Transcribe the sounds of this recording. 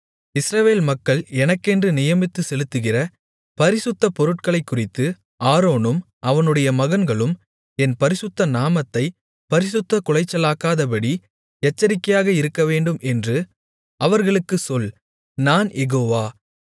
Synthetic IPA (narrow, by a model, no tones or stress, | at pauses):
ɪsɾɐʋeːlmɐkːɐɭɛnɐkːɛndrɯnɪjɐmɪt̪ːɯsɛlɯt̪ːɯɣɪrɐ | pɐɾɪsɯt̪ːɐpɔɾɯʈ̚kɐɭɐɪkːʊrɪt̪ːɯ | ʔaːɾoːnɯm | ʔɐʋɐnɯɽɐjɐmɐɣɐnɡɐɭɯm | ɛnpɐɾɪsɯt̪ːɐnaːmɐt̪ːɐɪ | pɐɾɪsɯt̪ːɐkʊɭɐɪt͡ʃːɐlaːkaːðɐpɐɽi | ɛt͡ʃːɐɾɪkːɐjaːɣɐɪɾɯkːɐʋeːɳɖɯmɛndrɯ | ɐʋɐɾɣɐɭɯkːɯsɔl | naːnjɛɣoːʋaː